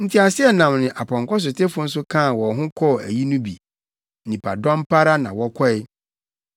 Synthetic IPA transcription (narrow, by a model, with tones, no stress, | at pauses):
n̩˦tʰi˨˦a˨sɪ˦ɛ˨nã˨mnɪ̃˨ʔa˨pʰɔ̃˨ŋ˨kɔ˦s̬ʊ˨tʰe˦fʊ˦n̩˦sʊ˦kʰã˦˨wɔ˨ɦʊ̃˦kʰɔ˦˨æ̰˨ji˦nʊ̃˦bi˨ | nɪ̃˨pʰa̰˨dɔ̃˦mpʰa˦ɾa˦nã˨wɔ˦kʰɔ˦ɪ˦